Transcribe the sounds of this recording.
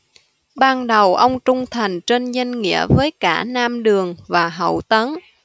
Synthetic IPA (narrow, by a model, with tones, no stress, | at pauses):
ɓaː˧nɗə˨˩wʔə˧wŋ͡mt͡ɕʊ˧ŋ͡mt̪ʰa˨˩jŋ̟t͡ɕe˧nɲə˧nŋḭ˧˥əvəː˨˦jkaː˧˩naː˧mɗɨ˨˩əŋvaː˨˩ɦə̰˧˩wt̪ə˨˦n